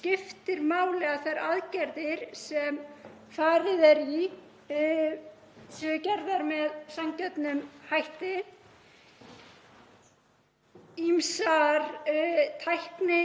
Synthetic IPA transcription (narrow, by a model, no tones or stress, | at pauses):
scɪft̪ɪɾmaːwlɛɣaθajɾaðcɛɾðɪɾ̥sɛm | faːɾɪðɛɾi | sœcɛɾðaɾmɛðsamcœt̪nʏmhajht̪ɪ | imsaɾt̪ʰajhpnɪ